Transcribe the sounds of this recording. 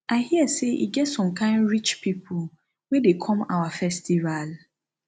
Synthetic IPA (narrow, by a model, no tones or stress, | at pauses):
ʔaɪhiəseʔḭɡɛtsɔ̃mkʰãɪ̃ndɹit͡ʃpipʰul | wedekʰɔ̃ma̰wafɛstival